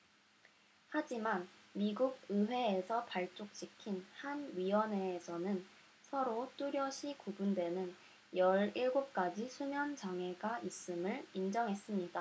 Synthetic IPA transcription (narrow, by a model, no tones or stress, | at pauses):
had͡ʑimanmiɡuɡ̚ɯwe̞ːsʰʌpaɭt͡ɕ͈ok̚ɕ͈ikʰinhanɥiwʌne̞ːsʰʌnɯn | sʰʌɾot͈uɾjʌɕʰikubundwe̞nɯn | jʌɾiɭɡop̚k͈ad͡ʑisʰumjʌnt͡ɕaŋɦe̞ɡaʔis͈ɯmɯɭind͡ʑʌŋɦes͈ɯmɲida